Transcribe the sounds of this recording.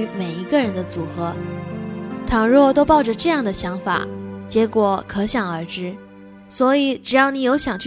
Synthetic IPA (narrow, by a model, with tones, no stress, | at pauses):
y˧˥me˨˩ɪi˧˥ɡə˧ɻə˧˥nd̪ə˧t͡su˨˩xɤ˧˥ | t̪ʰɑ˨˩ŋɻwɔ˥˩t̪o˥ʊpɑ˥˩ʊʈ͡ʂə˩ʈ͡ʂɤ˥˧jɑ˥˩ŋd̪ə˩ɕjɑ˧˥ŋfa̰˨˩˦t͡ɕjɛ˧˥kwɔ˨˩kʰɤ˧˥ɕjɑ˨˩ŋə˞˧˥ʈ͡ʂɻ̩˥ | swɔ˧˥i˨˩ʈ͡ʂɻ̩˨˩jɑ˥˩ʊni˧˥jo˧˥ʊɕjɑ˨˩ŋt͡ɕʰ